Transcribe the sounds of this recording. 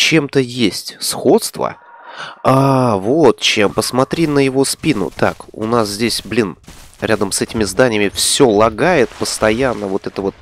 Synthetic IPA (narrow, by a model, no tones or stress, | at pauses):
t͡ɕe̞mt̪əjesʲtʲsxo̞t̪st̪və̰ | avot̪t͡ɕempəsmɐt̪ɾʲinəjɪvo̞spʲinʊ̰t̪a̰kʊ̰naszʲdʲesʲblʲinɾʲad̪əmsɛtʲɪmʲɪzd̪anʲɪjəmʲɪfsʲo̞lˠɐɡajɪt̪pəst̪ɐjanːəvo̞t̪ɛt̪əvo̞t̪̚